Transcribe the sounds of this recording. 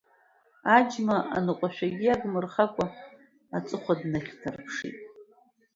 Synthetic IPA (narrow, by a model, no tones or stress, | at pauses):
ad͡ʒmaʔa̰nɨqʷʼaʃᶣaɡʲiaɡmɨrχakʷʼa | at͡sʼɨχʷadnaχʲtʰarpʰʂḭtʼ